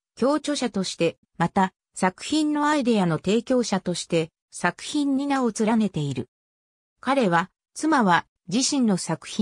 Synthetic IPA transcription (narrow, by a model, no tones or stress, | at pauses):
kʲo̞ːt͡ɕo̞ɕat̪o̞ɕi̥t̪e̞ | mat̪a | sakɯ̟̥çĩnːo̞aid̪e̞ano̞t̪e̞ːkʲo̞ːɕat̪o̞ɕi̥t̪e̞ | sakɯ̟̥çĩɲ̟ːinaot͡sɨɾane̞t̪e̞iɾɯ̟ | kaɾe̞β̞a | t͡sɨmaβa | d͡ʑiɕĩnːo̞sakɯ̟̥çi